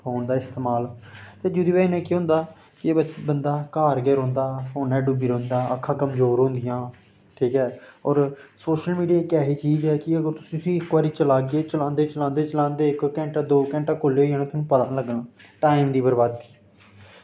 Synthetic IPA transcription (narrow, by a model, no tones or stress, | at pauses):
poːnd̪aːɪst̪eːmaːlt̪eːd͡ʒʊd̪iːbɛːnẽːkiɦʊ̃ːnd̪aː | kɪebət͡ʃbənd̪aːkaːɾɡɛːɾõːnd̪aːɦoːnɛːɖubiːɾõːnd̪aːəkʰːãːkəmzoːɾɦõːnd̪ɪjãː | ʈʰiːkɛːɔːɾsoːʃəlmiːɖiaːkɛːɦiːt͡ʃiːzɛːkɪəɡəɾt̪ʊsĩːsĩːɪkbaːɾiːt͡ʃəlaːɡeːt͡ʃəlãːnd̪eːt͡ʃəlãːnd̪eːt͡ʃəlãːnd̪eːɪkːɛ̃ːɳʈaːd̪oːkɛ̃ːɳʈãːkoleːoːaːñẽːt̪ʊsnũːpəlaːnləɡnaːʈaːimd̪iːbəɾbaːd̪̚i̥ː